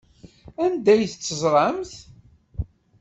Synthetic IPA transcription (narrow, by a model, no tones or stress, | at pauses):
ænd̪æjθt͡sːəzˤɾˤɑmθ